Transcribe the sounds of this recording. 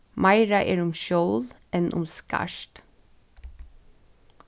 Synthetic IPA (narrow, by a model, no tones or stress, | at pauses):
mɑɪɾɑʔeːɹʊmʃoːlʔɛnʔʊ̰mskæ̰ʃt̪